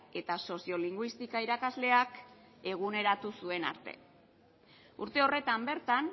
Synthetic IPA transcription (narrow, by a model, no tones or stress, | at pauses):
e̞t̪aso̞sio̞liŋɡwist̪ikaiɾakazle̞ak | e̞ɣ̞une̞ɾat̪usue̞na̰ɾt̪e̞̰ | uɾt̪e̞o̞re̞t̪ambe̞ɾt̪an